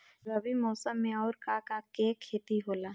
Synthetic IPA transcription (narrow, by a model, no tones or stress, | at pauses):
ɐbʱimɔːsəmːẽɔːɾkakakekʰːeːt̪iɦoːlaː